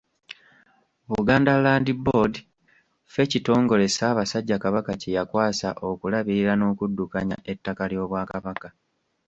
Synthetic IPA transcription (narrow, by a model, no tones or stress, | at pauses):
βuɡaːndalaːndibodi | fe̞cito̞ːŋɡo̞le̞saːβasaɟːakaβakacejakwaːsa̰ʔo̞kulaβiɾiɾano̞ːkudːukaɲa̰ʔe̞tːakaljo̞ːβwaːkaβaka